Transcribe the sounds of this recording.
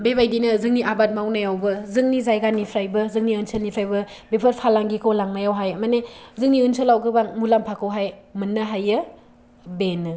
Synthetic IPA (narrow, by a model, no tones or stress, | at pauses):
bebajdinɯzɯŋniʔabat̚mawnajawbɯzɯŋnizajɡanipʰɾajbɯzɯŋniɯnsʰɯlnipʰɾajbɐ | bepʰɯɾ̚pʰalaŋɡikʰowlaŋnajawɦajmanezɯŋniɯnsʰɯlawɡɯbaŋmulampʰakʰɯwɦajmɯnːaɦajɯ | benɯ